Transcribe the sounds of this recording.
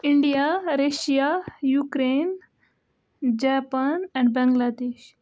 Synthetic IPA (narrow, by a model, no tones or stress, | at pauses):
ɪ̃ɳɖijaɾeʃijajuːkɾeːn | d͡ʒaːpanɛ̃ɳɖbɛ̃ŋɡlad̪eːʃ